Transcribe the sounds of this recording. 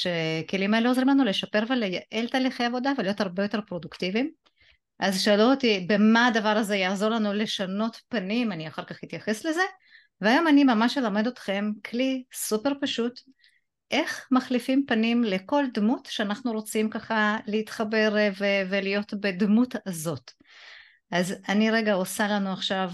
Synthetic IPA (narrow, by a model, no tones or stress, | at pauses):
ʃeke̞limae̞leo̞zʁimlanule̞ʃape̞ʁve̞lejaʔe̞lt̪aːliχejavo̞d̪avelijo̞t̪aʁbejo̞t̪e̞ʁpʁo̞duktivim | ʔazʃaːlut̪ibe̞maːd̪avaʁaze̞jaːzo̞ʁlanule̞ʃano̞tpanimaniaχaʁkaχhit̪jaχe̞sle̞ze̞ | veajo̞manimamaʃelame̞d̪ot̪χe̞mkʰlisupe̞ʁpaʃut | ʔe̞χmaχlifimpanimle̞ko̞ld̪mutʃeanaχnuʁo̞t͡simkaχaleit̪χabe̞ʁvevelijo̞tbe̞d̪mutazo̞t | ʔazaniʁe̞ɡaosalanuaχʃav